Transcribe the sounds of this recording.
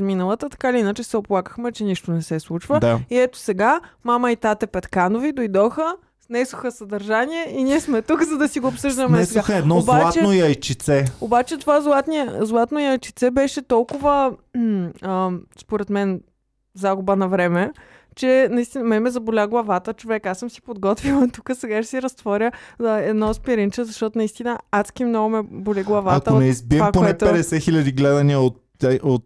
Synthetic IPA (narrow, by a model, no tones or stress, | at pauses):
zminəlˠət̪ət̪ɐ̥kaliinət͡ʃɛsɛoplˠakə̥xmɛt͡ʃɛniʃt̪onɛsɛslˠut͡ʃvəd̪aiɛt̪o̥sɛɡamaməit̪at̪ɛpɛt̪kanovid̪ojd̪ɔxə | snɛsoxəsɐd̪ɐɾʒaniɛiniɛsmɛt̪ukzɐd̪ɐsiɡoːpsɤʒd̪əmɛɛsɛɡaxɛd̪nɔobaatt͡ʃ̪ɛnojɐjt͡ʃit̪sɛobat͡ʃɛt̪ovazlˠat̪niəzlˠat̪noiəjt͡ʃit̪sɛbɛʃɛt̪ɔlˠkʊvə | əspoɾɛt̪mɛn | zaɡʊbənɐvɾɛmɛ | t͡ʃɛnɐist̪inəmɛmɛzɐbolʲaɡlˠɐvat̪ət͡ʃovɛkasəmsi̥pod̪ɡɔt̪vilˠt̪ukəsɛɡaʃɛ̥siɾɐst̪vɔɾʲəɛd̪nɔspiɾint͡ʃəzɐʃt̪ɔt̪ʊnɐist̪inəaskʲimnɔɡʊmɛbolʲiɡlˠɐvaak̪əonɛizbiɛmakponɛp̪ɛd̪ɛsɛxilʲɐd̪iɡlɛd̪ɐniəot̪ | ɛot̪